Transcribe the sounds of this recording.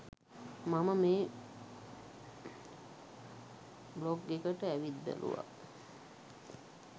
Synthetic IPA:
maməmeː | bloɡɡekəʈəæʋit̪̚bæ̰lʔṵʋa̰

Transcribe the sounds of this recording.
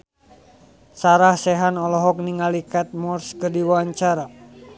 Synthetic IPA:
saɾahsɛɦanɔlɔɦɔk̚niŋalikat̪̚mɔrskərdiwaɲt͡ʃaɾa

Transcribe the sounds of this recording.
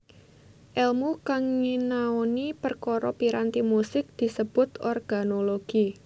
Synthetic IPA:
ʔɛlmukaŋɲinaonipərkoɾɔpiɾant̪imusɪk̚d̪̥i̤səb̥ʊt̪ɔrɡ̥anoloɡ̥i

